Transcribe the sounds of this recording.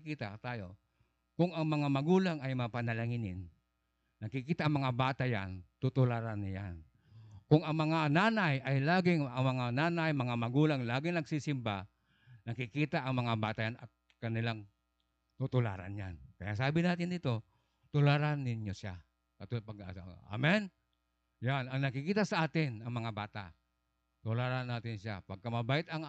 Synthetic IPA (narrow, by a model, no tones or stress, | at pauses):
kiːt̪at̪aːjo | kʊŋɐŋmɐŋamɐɡuːlaŋajmŋapanɐlaŋɪnɪnː | ɐɡkɪkiːt̪aʔːŋmɐŋabaːt̪aja̰nt̪ʊt̪ʊlaɾanjan | kʊŋɐŋmɐŋanaːnajajlaːɡɪŋaŋmɐŋanaːnajmɐŋamɐɡuːlaŋlaːɡɪŋnɐɡsisɪmba | nɐkɪkiːt̪aʔɐŋmɐŋaba̰ːt̪ajanɐ̰t̪̚ | kɐnɪlaŋ | t̪ut̪ʊla̰ːɾa̰nja̰nkɐ̰jasaːbɪnaːt̪ɪnd̪it̪o̞ | t̪ʊlaɾanːɪnjosa | kat̪paɡaaa̰mɛn | janɐŋnɐkɪkiːt̪asaʔaːt̪ɪnɐŋmɐŋabaːt̪a̰ | t̪ʊlaɾanːaːt̪ɪnʃa̰pɐɡ̚kamɐbaːʔɪt̪ɐŋ